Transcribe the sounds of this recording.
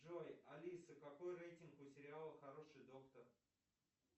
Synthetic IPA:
ʐojɐlʲisəkɐko̞jrejtʲɪnkpʊsʲɪɾʲɪalˠəxɐɾo̞ʂɨjd̪o̞kt̪ər

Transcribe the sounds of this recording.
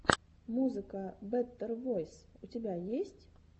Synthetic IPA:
muzɨkɐbɛt̪ːɛrvɔjsut͡sʲabʲajesʲt͡sʲ

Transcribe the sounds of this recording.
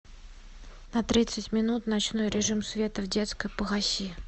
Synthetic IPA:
nɐt̪ɾʲit̪sɨtʲmʲɪnut̪nɐt͡ɕno̞jɾʲɪʐɨmsvʲe̞t̪əvdʲe̞t̪skəjpəɣɐsʲi

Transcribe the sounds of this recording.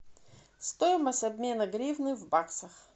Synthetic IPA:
st̪ojɪməsʲtʲɐbʲmʲe̞nɐɡɾʲivnɨvbaksɐx

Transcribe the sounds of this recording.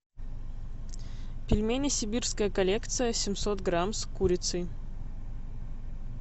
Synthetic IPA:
pʲɪlʲmʲenʲɪsʲɪbʲirskəjəkɐlʲekt̪sɨjəsʲɪmʲsot̪ɡɾamskuɾʲɪt̪sɨj

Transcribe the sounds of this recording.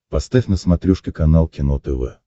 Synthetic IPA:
pɐst̪afʲnəsmɐt̪ɾʲuʂkʲɪkɐnalˠkʲɪnot̪əvɛ̰

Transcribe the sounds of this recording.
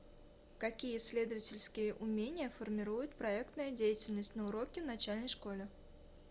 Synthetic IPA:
kɐkʲijəsʲlʲe̞d̪əvətʲɪlʲskʲɪjəʔʊmʲenʲɪjəfərmʲɪɾujʊt̪̚pɾɐɛkt̪nəjədʲejɪtʲɪlʲnəsʲtʲnəʊɾokʲɪvnɐt͡ɕælʲnəjʂko̞lʲɪ

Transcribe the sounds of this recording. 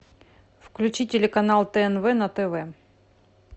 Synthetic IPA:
fklʲʉt͡ɕitʲɪlʲɪkɐnalˠt̪ɛɛnvɛnɐt̪ɛvɛ

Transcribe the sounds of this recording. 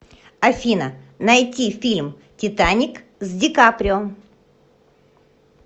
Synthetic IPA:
ɐfʲinənɐjtʲifʲilʲm | tʲɪt̪anʲɪk | zʲdʲɪkapɾʲɪom

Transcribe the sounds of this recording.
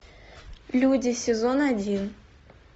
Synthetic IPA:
lʲudʲɪsʲɪzonɐdʲin

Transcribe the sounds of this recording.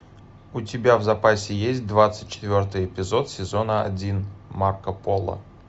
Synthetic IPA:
ʊtʲɪbʲavzɐpasʲɪjesʲt̚ʲd̪vat̪sɨ̥tʲt͡ɕɪ̥t̪vʲo̞rt̪ɨjɪpʲɪzo̞t̪sʲɪzo̞nəɐ̰dʲinmarkəpolˠə̰

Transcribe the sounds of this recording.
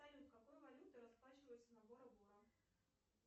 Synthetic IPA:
ajʲut̪kɐkojvɐlʲut̪ɨɾɐsplˠat͡ɕɪvəjʊt̪sənɐboɾɐbuɾɐ

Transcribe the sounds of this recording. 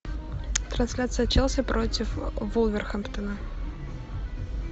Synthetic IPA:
t̪ɾɐnsʲlʲat̪sɨjɐt̪t͡ɕɛlˠsʲəpɾʔotʲɪfvɔlˠvʲɪrxəmpt̪ənə

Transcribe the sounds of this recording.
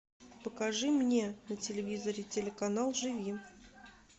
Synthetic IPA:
pəkɐʐɨmnʲenətʲɪlʲɪvʲizəɾʲɪtʲɪlʲɪkɐnalˠʐɨvʲi

